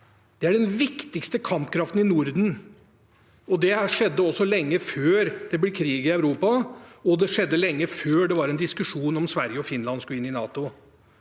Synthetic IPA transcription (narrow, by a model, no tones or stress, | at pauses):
d̪̥ɛæɖɛnʋɪkt̪ɪkst̪əkʰɑmpkʰɾɑft̪n̩ɪnʊɾd̪n̩ | ɔd̪ɛæʂɛd̪ːəɔsːɔlɛŋːəføːɾd̪̥ɛblɛkʰɾiːɡɪœʉɾuːpɑɔd̪ɛʂɛd̪ːəlɛŋːəføːɖɛʋɑɾɛnd̪ɪskʉʂuːnɔmsʋæɾjəɔfɪnlɑnskʉɪnːɪnɑːt̪ʊ